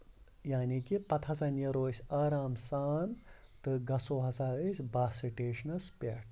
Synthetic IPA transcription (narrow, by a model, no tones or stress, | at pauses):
jaːnikipɐt̪ʰɐsɐnjɐɾoːsʲaːɾaːmsaːn | t̪ɨɡɐsoːɦɐzaːɾɨsʲbaːsiʈeːʃnɐspʲeːʈʰ